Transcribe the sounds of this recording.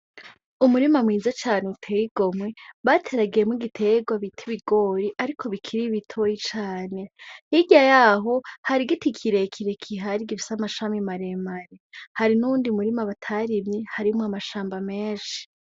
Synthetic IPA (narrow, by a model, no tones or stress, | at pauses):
umuɾimamŋiːzat͡ʃaːneutʰejiɡ̥o̞mweβatʰe̞ɾaɡejemwiɡitʰe̞ɡwaβitʰiβiɡo̞ːɾiʔaɾikʰo̞βikʰiɾiβitʰo̞jit͡ʃaːne̞hiɟajaɦo̞haɾiɡitikʰiɾe̞kʰiɾekʰiɦaɾiɡifi̥samaʃamimaɾemaɾehaɾinuːndiumuɾimaβatʰaɾimɲihaɾimuamaʃaːmbameːnʃi̥